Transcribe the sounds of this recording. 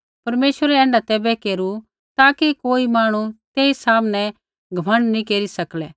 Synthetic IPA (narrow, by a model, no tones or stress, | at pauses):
pɐɾmeːʃʋəɾɛɛ̃ːɳɖat̪ɛːbɛkeːɾu | t̪aːkikoːimaːɽ̃ut̪eːisaːmnɛ | ɡʱɐmə̃ɳɖnĩkeːɾisɐklɛː